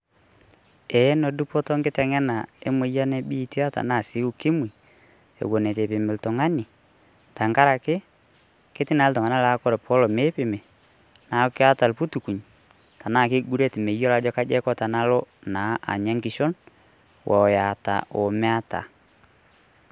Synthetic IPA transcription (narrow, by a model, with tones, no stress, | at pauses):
e˨˦no˨du˦po˦to˦ŋɡɪ˦ta˨ŋa˦na˨e˦mo˨˦ja˦ne˦bi˦ti˦a˦ta̰˨na˦˨si˨˦u˦ki˦mwi˨ | ḛ˨wo˨ne˨te˨pɪ˨me˨lto˨ŋa˦ni˨ | ta˨ŋɡa˦ɾa˨kɪ˦ | ke˦ti˦na˨˦ltɔ˨ŋa˨na˦la˨˦ko˦ɾe˨pʰo˦lo˨me˦pɪ˨me˨ | na˨˦kɪ˦a˦ta˨lpu˦tu˨ku˨ɲ | ta˨na˦˨kɪ˦ɡu˦ɾe˦ti˨me˨jo˦la˨d͡ʒɔ˦ka˦d͡ʒɛ˦kɔ˦ta˨na˦lo˦na˨˦a̰˨ɲa˦ŋɡi˨ʃo˦n | wʔɔ˨ja˨ta̰˨ʔo˨me˦a˦ta̰˨